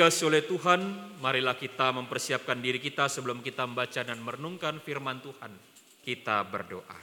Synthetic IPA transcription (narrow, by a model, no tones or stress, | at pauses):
asolɛht̪uɦanmaɾilahkit̪aməmpərsiap̚kandiɾikit̪asəbəlʊmkit̪aməmbat͡ʃadanməɾənuŋkanfirmant̪uhan | kit̪abə̰rdoʔa̰